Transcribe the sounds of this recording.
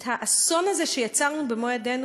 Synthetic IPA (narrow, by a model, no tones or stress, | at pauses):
thaʔaso̞naze̞ʃe̞jat͡saʁnubemojadenu